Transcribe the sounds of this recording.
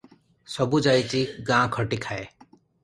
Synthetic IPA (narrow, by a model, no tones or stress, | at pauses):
sɔbud͡ʒajt͡ʃiɡãːkʰəʈikʰae